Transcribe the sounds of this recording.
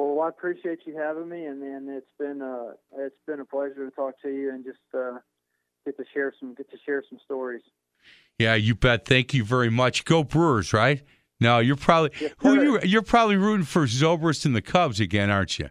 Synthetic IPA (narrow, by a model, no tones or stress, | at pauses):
wɛlˠaɪəpʰɹ̥iʃieɪt͡ʃɨhævɪ̃ŋmiɨ̃nðɨ̃nɪtsb̥ɪ̃nʌɪtsb̥ɨ̃nəpʰl̥ɛʒə˞ɾɨtʰɔk̚tʰɨjɨɨ̃nd͡ʒʌstʌ | ɡ̥ɛtʰɨʃɛɹsʌ̃mɡɛtʰɨʃɛɹsʌ̃m̩stɔɹiz̥ | jæjɨbɛd̪̚θæ̃ŋkjɨvɛɹimʌt͡ʃɡ̥oʊbɹʊɹzɹaɪt̚ | noʊjə˞pʰɹ̥ɑbəbliihujɨjə˞pʰɹ̥ɑbəbliɹʉʔn̩fə˞zoʊbə˞ɨstɨ̃n̩ðɨkʰʌbzɨɡɛ̃ñɑɹnt͡ʃɨ̰